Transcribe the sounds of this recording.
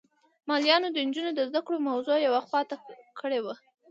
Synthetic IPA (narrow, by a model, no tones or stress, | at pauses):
mɑljɑnod̪ənd͡ʒunod̪əzd̪akɽomawzojawaxwɑt̪akʰəɽewa